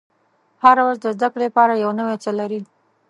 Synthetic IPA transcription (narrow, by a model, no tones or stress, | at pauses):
haɾawɾazd̪əzd̪akɽepɑɾajawnəwet͡səlaɾi